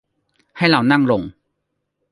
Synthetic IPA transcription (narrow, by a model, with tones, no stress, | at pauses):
ha˥˩jɾa˧wna˥˩ŋlo˧ŋ